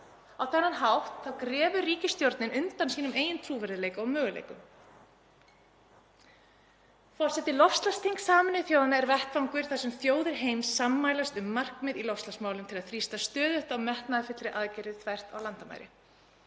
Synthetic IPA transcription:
awθɛnːanɦawht̪θawkɾɛːvʏriːcɪst̪jowɾt̪nɪnʏnt̪ansiːnʏmeːjɪnt̪ʰɾuːvɛɾðɪleːjkaɔmœːɣʏlḛːjkʏm | fɔr̥sɛht̪ɪlɔfst̪last̪ʰiŋksaːmɪnɪθjoːwðanaɛɾvɛht̪vawŋkʏɾ̥θasɛmθjoːwðɪɾ̥ɦeːjmsːamːaːjlast̪ʏmːar̥kmɪðilɔfst̪lasmaːwlʏmt̪ʰɪlaðθɾist̪ast̪œːðʏht̪awmɛht̪naðɪfɪt̪lɾɪʔaðcajɾɪθʰvajr̥t̪a̰wlant̪ama̰jɾɪ̰

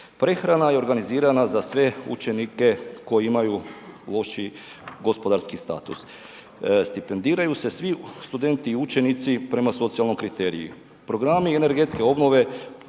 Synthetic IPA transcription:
pɾe̞xɾanajeo̞ɾɡaniziːɾanazasʋe̞ṵt͡ʃe̞nike̞ko̞jeimajulˠo̞ʃi | ɡo̞spo̞d̪aɾskist̪a̰ːt̪ṵs | st̪ipe̞nd̪iːɾajuse̞sʋist̪ud̪e̞nt̪iːut͡ʃe̞nit̪sipɾe̞maso̞t̪sialno̞jkɾit̪e̞ɾḭḭ | pɾo̞ɡɾamiene̞ɾɡe̞t̪ske̞o̞bno̞ʋe̞

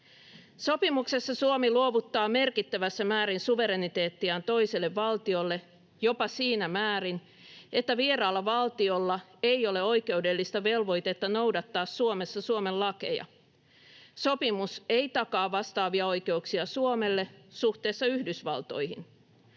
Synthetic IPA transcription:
so̞pimukse̞sːɑsuomiluoʋut̪ːɑːme̞rkit̪ːæʋæsːæmæːɾinsuʋe̞ɾe̞nit̪e̞ːt̪ːiæːnt̪o̞iselːeʋːɑlt̪io̞lːe | jo̞pɑsiːnæmæːɾin | e̞t̪ːæʋieɾɑːlːɑʋɑlt̪io̞lːɑe̞ijo̞leo̞ike̞ude̞lːist̪ɑʋe̞lʋo̞jt̪et̪ːɑno̞wdɑt̪ːɑːsːuomesːɑsuomellɑke̞̰jɑ̰ | so̞pimuse̞ijt̪ɑkɑːʋːɑst̪ɑːʋiɑo̞jke̞uksiɑsuome̞lːe̞suht̪e̞ːsːɑyhdysʋɑ̰lt̪o̞̰jhḭn

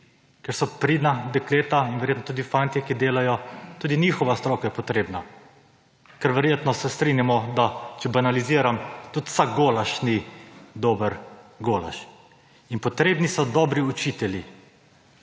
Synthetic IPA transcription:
kɛɾsɔpɾid̪nab̪ɛkleːt̪ainʋɛɾjeːt̪nɔt̪uːd̪ifant̪jɛkid̪eːlajɔt̪uːd̪inixɔʋast̪ɾɔːkajɛpɔt̪ɾeːbna | kɛɾʋɛɾjeːt̪nɔsɛst̪ɾinjamɔd̪at͡ʃɛbanaliziːɾamt̪ut̪saɡɡolaʃnid̪oːbəɾɡola̰ʃ | inpɔt̪ɾeːbnisɔd̪ɔːbɾiut͡ʃiːt̪ɛli

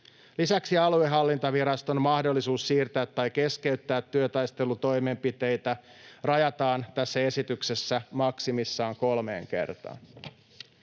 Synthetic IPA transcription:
lisæksiɑlueɦɑlːint̪ɑʋiɾɑst̪o̞mmɑhdo̞lːisuːssiːrt̪æːt̪ːɑjke̞ske̞yt̪ːæːt̪ːyøt̪ɑjst̪elut̪o̞jme̞mpit̪e̞jt̪æ | rɑjɑt̪ɑːnt̪æsːæe̞sit̪yksesːæmɑksimisːɑːŋko̞lme̞̰ːŋke̞̰rt̪ɑ̰ːn

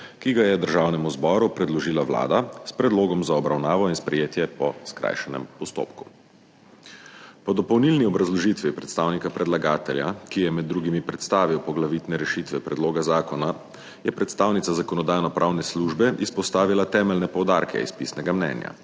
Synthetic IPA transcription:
kiɡajɛd̪əɾʒawnɛmuzbɔːɾupɾɛd̪lɔʒilaʋla̰ːd̪aspɾɛd̪loːɡɔmzaɔbɾawnaːʋɔinspɾɛjeːt̪jɛpɔskɾa̰ːjʃɛnɛ̰mpɔst̪o̰ːpku̥ | pɔd̪ɔpɔwnilniɔbɾazlɔʒit̪ʋipɾɛt̪st̪aːwnikapɾɛd̪laɡaːt̪ɛlja̰kijɛmɛd̪ːɾuɡimipɾɛt̪st̪aːʋiwpɔɡlaʋit̪nɛɾɛʃit̪ʋɛpɾɛd̪loːɡazaːkɔna | jɛpɾɛt̪st̪aːwnit̪sazakɔnɔd̪aːjnɔpɾʔawnɛsluʒbɛispɔst̪aːʋilat̪ɛːmɛlnɛpɔwd̪aːɾkʰɛ̰ḭspisnɛɡamnɛ̰nja̰

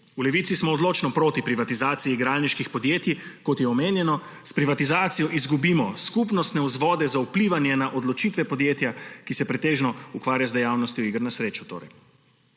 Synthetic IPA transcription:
ulɛʋit̪sismɔːd̪loːt͡ʃnɔpɾoːt̪ipɾiʋat̪izaːt̪sijiɡɾaːlniʃkixpɔd̪jeːt̪jikɔt̪jɛɔmeːnjɛnɔ | spɾiʋat̪izaːt̪sijɔʔizɡubiːmɔskupnɔst̪nɛuzʋɔːd̪ɛzaupliːʋanjɛnaʔod̪lɔt͡ʃit̪ʋɛpɔd̪jeːt̪jakisɛpɾɛt̪eːʒnɔukʋaːɾjazd̪ɛjawnɔst̪jɔiɡɾnasɾeːt͡ʃu̥t̪o̰ːɾɛ̰j

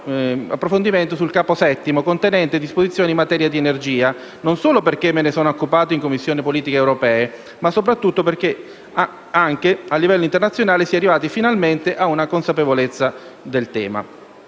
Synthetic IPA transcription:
a̰pːɾofond̪iment̪osulkaːposɛt̪ːimokont̪enɛnt̪ed̪ːispozit̪sːjoːnimːat̪ɛːɾjad̪ienerd͡ʒiːa | nonsoːloperk̟emːenesoːnokːupaːt̪oiŋkomːisːjoːnipoliːt̪ikeːwɾopɛːe | masːopɾat̪ːut̪ːoperk̟e | aŋkealːivɛlːoint̪ernat̪sːjonaːlesiarːivaːt̪ifinalment̪eʔaunakonsapevolet̪sːa | d̪elt̪ɛ̰ːma̰

